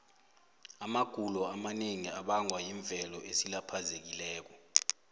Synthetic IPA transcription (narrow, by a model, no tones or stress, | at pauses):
amaɡ̥ʱulɔamaneŋiaɓaŋwajiɱb̪vʱɛlɔʔesilapʰazek̬ilɛːk̬ɔ